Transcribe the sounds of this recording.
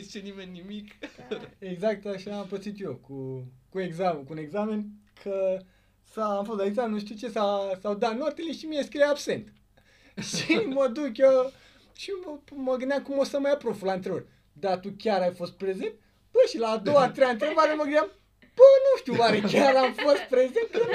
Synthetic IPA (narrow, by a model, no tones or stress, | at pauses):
zit͡ʃenimenːimik | eɡzak̚t̪aʃaːmpəsit̪jo̞kukueɡzamekune̞ɡzame̞nkʰə | saamfɐkut̪aiɡsamennuʃt̪iwt͡ʃesasawd̪anuart̪eliʃimieskieabse̞nt̪ | ʃiməd̪ukjo | ʃiməɡɨnd̪ʲamkumosəmajapɾo̞fulaɨnt̪ɾeor | d̪at̪ukʲaɾajfo̞st̪̚pɾe̞zent̪ | b̥əʃilaːd̪o̞wat̪ɾejant̪ɾeovaɾeməɡɨnd̪ʲam | b̥ənuʃt̪iuwaɾekʲaɾamfost̪̚pɾezent̪̚ə